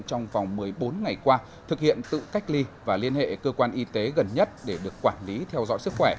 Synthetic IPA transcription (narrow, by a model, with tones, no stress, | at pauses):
t͡ɕɔ˧wŋ͡mva˨˩wŋ͡mmɨ˨˩əjɓo˨˦nŋa˨˩jkwaː˧ | t̪ʰɨ˨˩k̚hḭ˧˨ənt̪ɨ̰˧˨ka˦˥jk̟̚li˧vaː˨˩li˧ənhḛ˧˨kəː˧kwaː˧nʔi˧t̪e˨˦ɣə˨˩nɲə˦˥t̚ɗe˧˩ɗɨ˨˩əkːwaː˧˩nli˨˦t̪ʰɛ˧wzɔ̰˧˥jsɨ˦˥k̚xwɛ˧˩